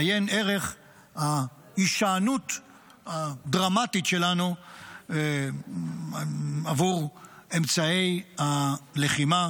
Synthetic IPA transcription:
jene̞ʁe̞χ | ha | iʃaːnut̪ | had̪ʁamatitʃe̞lanu | avuʁemt͡sae̞jhale̞χima

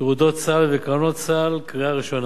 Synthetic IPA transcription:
ʁud̪ot̪t͡salvekaono̞t̪t͡salkʁiaʁiʃo̞n

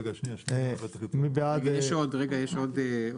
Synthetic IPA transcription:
mibead̪jeʃodʁeɡajeʃod̪e

